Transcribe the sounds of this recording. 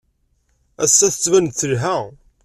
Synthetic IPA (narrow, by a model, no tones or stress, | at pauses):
æsːæθə̥t͡sːvænθːəlɦæ